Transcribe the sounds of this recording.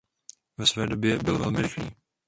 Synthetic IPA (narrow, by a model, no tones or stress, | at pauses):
vɛsvɛːdo̞bjɛbɪlvɛ̰lmɪɾɪxliː